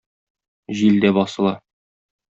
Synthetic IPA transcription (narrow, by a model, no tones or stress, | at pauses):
ʑild̪æbɒsɤ̆lˠɑ